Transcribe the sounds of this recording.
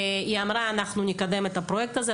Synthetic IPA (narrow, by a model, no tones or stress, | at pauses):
iamɾaːnaxnʊnʲɪkad̪ɛmɛt̪ɐpɾoɛk̚t̪ɐzɛ